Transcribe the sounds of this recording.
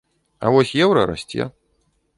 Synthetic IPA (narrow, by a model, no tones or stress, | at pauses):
a̰vɔsʲjɛwɾɐ̰ɾa̰sʲt͡sʲɛ̰